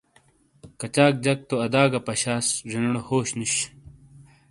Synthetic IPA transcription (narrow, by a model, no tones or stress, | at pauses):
kɐt͡ɕaːk̚d͡ʑɐk̚t̪oɐd̪aːɡɐpɐɕaːsʐinɐɽohoːɕniɕ